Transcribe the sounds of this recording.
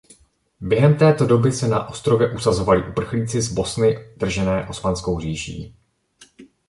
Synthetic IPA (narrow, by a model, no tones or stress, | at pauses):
bjɛɦɛmt̪ɛːt̪o̞do̞bɪsɛnaʔo̞st̪ɾo̞vjɛʔusazo̞valɪʔupr̩xliːt͡sɪzbo̞snɪd̪̥r̩ʒɛnɛːʔo̞smansko̞wɦriːʃḭː